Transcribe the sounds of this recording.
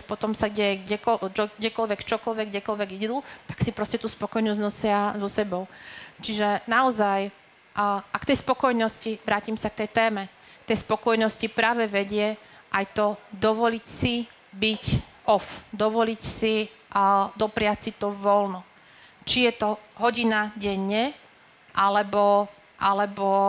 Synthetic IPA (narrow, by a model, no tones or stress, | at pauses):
pɔt̪ɔmsaɡɟɛɡɟɛkɔt͡ʃɔɡɟɛkɔlʋɛkt͡ʃɔkɔlʋɛɡɟɛkɔlʋɛɡid̪ut̪ḁksipɾɔscɛt̪uːspɔkɔjnɔznɔsɪazɔsɛbɔʊt͡ʃiʒɛnaɔzaj | ʔakt̪ɛjspɔkɔjnɔsciʋɾaːcimsak̚t̪ɛjt̪ɛːmɛ | kt̪ɛjspɔkɔjnɔscipɾaːʋɛʋɛɟɪɛ | ʔajt̪ɔd̪ɔʋɔlicsi | bicʔɔfd̪ɔʋɔlicsi | d̪ɔpɾɪat͡sit̪ɔʋɔlnɔ | t͡ʃijɛt̪ɔɦɔɟinaɟɛɲːɛ | ʔalɛbɔ | ʔalɛbɔ